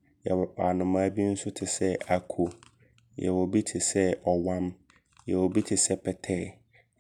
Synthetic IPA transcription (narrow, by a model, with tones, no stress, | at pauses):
jɛ˨wɔ˨a˨nʊ̃˨mã˦bi˦n̩˦sʊ˦tʰɪ˨sɛ˦a˨kʰo˨ | jɛ̰˨wɔ˨bi˦tʰɪ˨sɛ˦ɔ˨wã˦m | jɛ˨wɔ˨bi˦tʰɪ˨sɛ˦pʰɛ˨tʰɛ˦˨